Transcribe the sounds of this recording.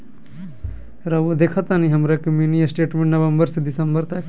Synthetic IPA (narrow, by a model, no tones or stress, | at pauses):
ɾɐʋod̪ekʰat̪aniɦɐmɾakɐmjuːniəsʈeːʈmẽɳʈnɐʋɐmbəɾsed̪ɪsɐmbəɾt̪ɐk